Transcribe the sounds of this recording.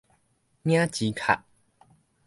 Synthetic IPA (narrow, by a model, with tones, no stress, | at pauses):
nj̃ã˦t͡ɕi˨˧˦kʰa̰˨˩ʔ